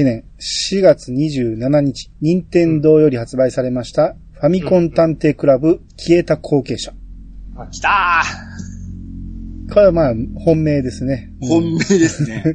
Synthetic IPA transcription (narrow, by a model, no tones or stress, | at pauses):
inẽ̞ɰ | ɕiɡat͡sɨɲ̟iʑɨːnanaɲ̟it͡ɕi̥ɲ̟ĩnt̪ẽ̞nd̪o̞ːjo̞ɾʲihat͡sɨbaisaɾe̞maɕi̥t̪a | ɸamʲikõ̞nt̪ãnt̪e̞ːkɯ̟ɾabɯ̟ | kʲʰie̞t̪akʰo̞ːke̞ːɕḁ | t̪a | kʰo̞ɾeβamaːhõ̞mːe̞ːd̪e̞sɨne̞ | õmːed̪ese